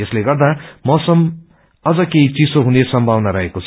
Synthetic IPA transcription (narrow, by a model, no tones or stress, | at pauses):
esleɡʌrd̪amʌsʌm | ʌd͡zʌkeɦit͡sisoɦunesʌmbʱawnaɾʌɦekot͡sʰ